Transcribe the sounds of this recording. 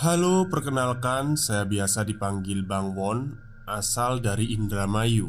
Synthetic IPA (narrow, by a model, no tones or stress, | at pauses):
halopərkənalkansajabiasadipaŋɡɪlbaŋwɔn | ʔasaldaɾiʔːndɾamaju